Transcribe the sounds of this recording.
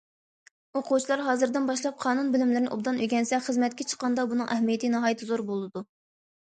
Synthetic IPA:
oqʰut͡ʃʰilˠɑɾɦɑːzɨɾd̪ɪnbɑʃlˠɑp̚qʰɑːnunbɪlɪmlɪɾɪnɪʔub̚d̪ɑnʔøɡʲɛnsɛχəzmɛt̪̚kʲɛt͡ʃʰə̥qːɑnd̪ɑbunɨŋʔɛhmijɛt̪ʰɨnɨɦɑːjɪt̪ʰːɨzoɾbolˠɨd̪u

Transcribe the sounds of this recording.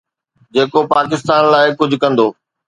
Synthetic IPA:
d͡ʑeːkopaːkɪst̪aːnlaːɪkʊd͡ʑʱʊ̆kɐ̃nd̪oː

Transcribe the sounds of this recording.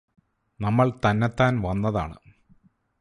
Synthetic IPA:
nɐmːɐɭt̪ɐnːet̪ːaːnʋɐnːɐðaːɳɨ̰

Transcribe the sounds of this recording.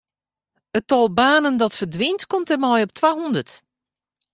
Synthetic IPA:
ətɔlˠbaːnəndɔtfərdʋintkɔmtəmɔjɔp̚tʰʋaɦundərt

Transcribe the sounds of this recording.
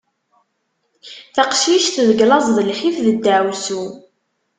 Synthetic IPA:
θaqʃiʃθðəɡlɑzˤðəlħifðəd̪ːæːwsu

